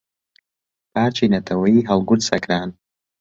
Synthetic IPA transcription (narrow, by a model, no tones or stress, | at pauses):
pʰaːɾt͡ʃʰiːnɐt̪ʰɐwɐjiːɦɐlˠɡʊɾsɐ̰kɾaːn